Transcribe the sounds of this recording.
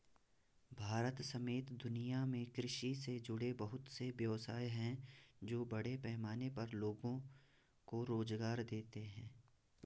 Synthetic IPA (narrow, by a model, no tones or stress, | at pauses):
bʱaːɾət̪sɐmeːt̪d̪ʊnijamẽkɾɪʃised͡ʒʊɽebɐɦʊt̪seʋjɐʋsaːeɦɛ̃d͡ʒoːbɐɽepɛɦmaːnepɐɾloːɡõ | koɾoːzɡaːɾd̪eːt̪eɦɛ̃ː